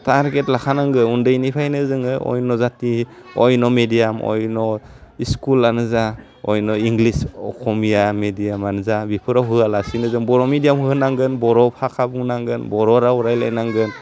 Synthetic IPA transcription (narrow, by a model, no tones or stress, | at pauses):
taɾɡetlakʰanaŋɡɯundɯjnipʰajnɯzɯŋɯɔ̰jnɔzatiɔjnɔmediamɔ̰jnɔiskulanɯza | ɔjnɔiŋɡlisɔ̰kʰɔmijamedijamanɯzabipʰɯɾaɦɯalasinɯzɯŋbɔɾɔmidijamhɯnaŋɡɯnbɔɾɔpʰakʰabuŋnaŋɡɯnbɔɾɔɾauɾajla̰jnaŋɡɯn